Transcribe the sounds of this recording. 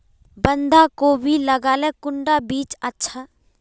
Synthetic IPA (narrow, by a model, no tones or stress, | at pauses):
bə̃nd̪akobʱiləɡaːlekʊɳɖabiːt͡ʃətːʃʰaː